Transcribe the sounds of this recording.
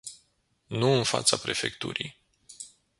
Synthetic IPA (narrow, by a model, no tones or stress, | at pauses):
nuɨnfa̰t̪sapɾe̞fe̞kt̪ṵɾij